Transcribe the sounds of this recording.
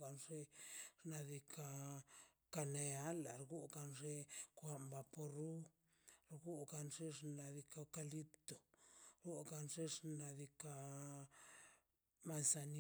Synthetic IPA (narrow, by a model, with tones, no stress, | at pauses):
ɡa˨nʐe˦ʐna˧d̪i˧kʰa˧ | ka˧ne˧a˦la˨ɾɡu˦ɡa˧nʐe˦kʷa˧mba˧po˧ɾu˦ | ɾɡu˦ɡa˧nʐe˦ʐna˧d̪i˧ka˧ka˧li˦pt̪o˨ɾu˦ɡa˧nʐe˦ʂna˧d̪i˧ka˧ | ma˨nsa˧n